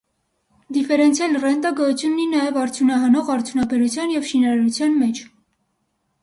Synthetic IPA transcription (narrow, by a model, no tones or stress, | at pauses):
d̪ifɛɾɛnt͡sʰjɑlrɛnt̪ɑɡəjut͡sʰjunːinɑjɛvɑɾt͡sʰjunɑɦɑnɔʁɑɾt͡sʰjunɑbɛɾut͡sʰjɑnjɛvʃinɑɾɑɾut͡sʰjɑnmɛt͡ʃʰ